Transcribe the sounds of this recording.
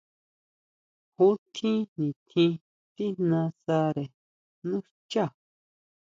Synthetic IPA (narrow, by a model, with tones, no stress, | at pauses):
hũ˦t̪ʰĩ˦nĩ˨t̪ʰĩ˧ | t̪i˦nã˧sa˧ɾe˨ | nũ˦ | t͡ʃa˦˨